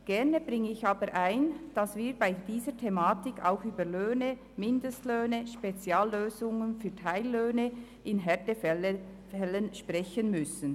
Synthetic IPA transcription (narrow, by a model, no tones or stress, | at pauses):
ɡ̥ɛʁnəb̥ʁɪŋːəɪçaːbəɾʔaɪnd̥ɑsviːɾbaɪd̥iːzətʰemaːtɪkʰa̰ʊxyːbəløːnə | mɪndəstløːnəʃpet͡sjaːlːøːzʊŋənfyːɐtʰaɪlːøːnə | ʔɪnɦɛtəfɛ | ɛlːənʃpʁɛçənmʏsən̩